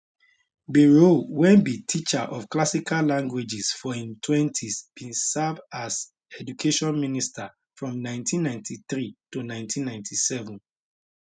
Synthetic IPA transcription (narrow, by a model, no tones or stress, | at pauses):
biɹowɛ̃nbitʰit͡ʃaʔɔfklasikʰallãŋɡwed͡ʒisfɔĩntʰwɛ̃ntʰisb̥ĩnsavdaz | ɛd͡ʒukʰeʃɔ̃nministʰa | fɹɔ̃mnãɪ̃ntʰĩnːãɪ̃ntʰiθɹitunãɪ̃ntʰĩnːãɪ̃ntʰisɛvũn